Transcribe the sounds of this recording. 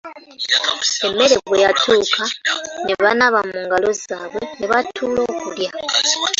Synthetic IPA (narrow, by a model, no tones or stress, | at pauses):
e̞mːe̞ɾe̞ɡwejatʰuːkʰaneβanaβamuːŋɡalo̞zaːβwe̞neβatʰuːlo̞ːkulja